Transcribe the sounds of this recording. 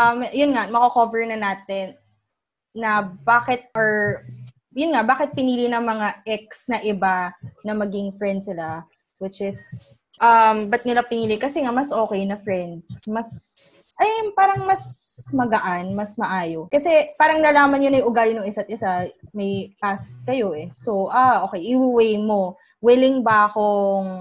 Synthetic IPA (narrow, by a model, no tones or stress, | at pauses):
ʔɐmjʊnŋamɐkokovɛɹnɐnaːt̪ɛnː | ɐbaːkɪt̪̚ʔoɹ | jʊnŋabaːkɪt̪̚pɪniːlinɐŋmɐŋaʔɛk̚snɐʔɪbanɐmɐɡɪŋfɹɛnd̪sɪla | wɪt͡ʃʔɪs | ʔɐmbɐt̪̚nɪlapɪniːlɪkɐsɛŋamɐsʔo̞ːkɛjnɐfɹɛnd̪smɐs | ʔɐjpaːɾɐŋmɐsmɐɡɐʔanmɐsmɐʔaːjo̞kɐsɛpaːɾɐŋnɐlaːmɐnjonɐjʔʊɡaːlɪnʊŋɪsat̪̚ɪsamɐjʔaskɐjo̞ʔɛsowʔaʔo̞ːkɛjʔɪwɪwɛjmo̞ | wɪlɪŋbɐʔɐko̞ŋ